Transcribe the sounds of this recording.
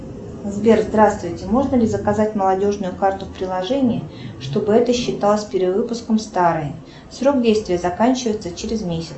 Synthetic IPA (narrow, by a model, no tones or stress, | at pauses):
zbʲerzd̪ɾast̪vʊjtʲɪmo̞ʐnəlʲɪzəkɐzat̚ʲməlˠɐdʲo̞ʐnʊjʊkart̪ʊfpɾʲɪlˠɐʐɛnʲɪjɪʂt̪o̞bɨɛt̪əɕːɪt̪alˠəsʲpʲɪɾʲɪd̪vɨpʊskəmst̪aɾɨj | sɾo̞ɡdʲejst̪vʲɪjəzɐkanʲt͡ɕɪvəjɪt̪sət͡ɕeɾʲɪzmʲesʲɪt̪s